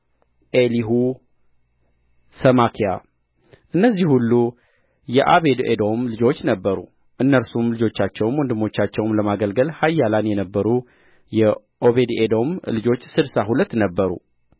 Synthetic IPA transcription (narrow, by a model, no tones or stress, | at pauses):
ʔeliɦu | səmakʰija̰ | ʔɨnːəzːihhulːu | jɛʔaβe̞d̪ḛd̪o̞mlɨd͡ʒo̞t͡ʃːnəbːəɾṵ | ʔɨnːəlsumlɨd͡ʒo̞t͡ʃːat͡ʃːɛwmwɔnd̪ɨmːo̞t͡ʃːat͡ʃːɛwmləmaɡəlɡəlhajːalanjɛnəbːəɾu | jɛ | ʔo̞βe̞d̪ed̪o̞mlɨd͡ʒo̞t͡ʃːsɨd̪saɦulət̪ːnəbːəɾṵ